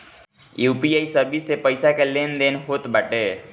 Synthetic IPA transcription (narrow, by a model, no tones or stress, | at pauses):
jupijaisəɾbisepəjsakelend̪enɦot̪baʈe